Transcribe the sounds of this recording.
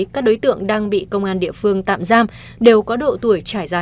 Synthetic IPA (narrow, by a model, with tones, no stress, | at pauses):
kaː˦˥k̚ɗo˨˦jt̪ɨ̰˧˨əŋɗaː˧ŋɓḭ˧˨kə˧wŋ͡mʔaː˧nɗḭ˧˨əfɨ˧əŋt̪a̰ː˧˨mzaː˧m | ɗe˨˩wkɔ˨˦ɗo̰˧˨t̪u˧˩əjt͡ɕaː˧˩jzaː˧˩